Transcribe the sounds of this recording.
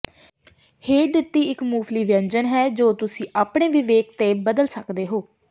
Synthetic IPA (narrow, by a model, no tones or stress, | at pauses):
heːd̪ɪt̪ːiːɪkmuːʋliːʋə̃ɲd͡ʒənɦɛːd͡ʒoːt̪ʊsĩːʔaːpɳeːʋɪʋeːk̚t̪eːbəd̪əlsəkd̪eːɦoː